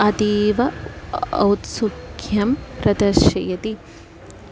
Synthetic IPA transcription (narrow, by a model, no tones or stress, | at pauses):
ɐt̪iːʋɐ | ɐ̰wt̪sukʰjɐmɾɐd̪ɐʃɐjɐt̪i